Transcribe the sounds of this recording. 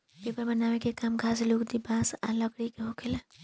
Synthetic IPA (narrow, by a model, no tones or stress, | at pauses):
pepəɾbənawekekamɡʱaslukd̪ibãsa̰ləɡɽikeɦokel